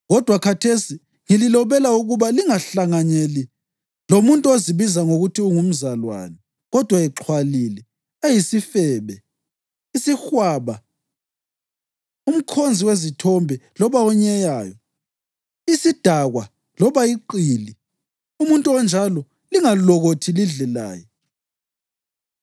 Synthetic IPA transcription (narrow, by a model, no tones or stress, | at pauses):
ɣɔd̥ʱwakʰatʰesi | ŋililɔβɛlauɣuβaliŋaɬaŋaɲeli | lomuntʼuoziβizaŋoɣutʰiuŋum̩zalwa̰nɛ | ɣɔd̥ʱwaɛǁʰwalilɛ | ejisifɛːβɛ | isixwaːβa | um̩kʰond͡zʱiwezitʰɔmbʱɛlɔβaɔɲɛjaːjɔ | isid̥ʱaɣwa | lɔβaiǃiːli | umuntʼuɔnd͡ʒʱalɔ | liŋalɔɣotʰiliɮɛla̰ːjɔ